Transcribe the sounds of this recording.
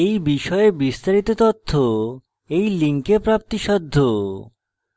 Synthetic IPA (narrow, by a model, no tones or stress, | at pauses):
ejbiʃɔebist̪aɾit̪ot̪ot̪ʰːo | ejliŋkepɾap̚t̪iʃɔd̪ʱːo